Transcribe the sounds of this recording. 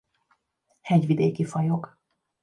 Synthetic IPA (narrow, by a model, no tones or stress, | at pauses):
hɛɟʋid̪eːkifɒjok